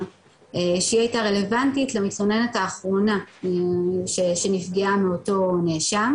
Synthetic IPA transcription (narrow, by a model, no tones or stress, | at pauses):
eʃiajtaʁe̞le̞vantitlemit͡sχonenetaːχʁo̞na | ʃeʃenifɡiameo̞to̞neʃam